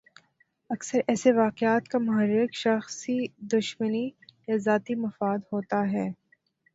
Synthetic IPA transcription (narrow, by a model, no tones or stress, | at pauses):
ɐksəɾɛːseʋaːqɪaːt̪kamʊɦəɾːɪkʃɐxsid̪ʊʃmənijazaːt̪imɐfaːd̪hoːt̪aɦɛː